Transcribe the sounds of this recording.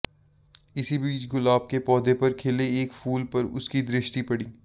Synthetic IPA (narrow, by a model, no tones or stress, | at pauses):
ɪsibiːt͡ʃɡʊlaːb̚kepɔːd̪epɐɾkʰeːleeːkfuːlpɐɾʊ̰skid̪ɾɪʃʈipɐɽiː